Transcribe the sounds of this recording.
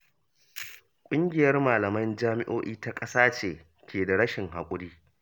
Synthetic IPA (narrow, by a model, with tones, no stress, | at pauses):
kʷʼʊ˦ŋɡʲɪ˨jɐ˦rmaː˨lɐ˨mɐ˦nd͡ʒaː˦mɪ˦ʔoː˦ʔiː˦ta˦kʼɐ˦saː˦t͡ʃeː˨ | kʲʰeː˨da˨ɽɐ˦ʃɪ˨ŋɦa˨kʷʼʊ˦ɽiː˦